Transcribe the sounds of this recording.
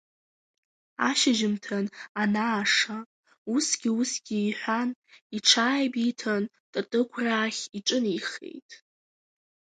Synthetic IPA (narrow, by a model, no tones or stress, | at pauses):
aʃɪʒɪmtʰananaːʂa | usɡʲiusɡʲiːħʷaniʈ͡ʂʰaːjbitʰan | tʼatʼɨkʷʰraːχʲiʈ͡ʂʼɨniχḛjtʼ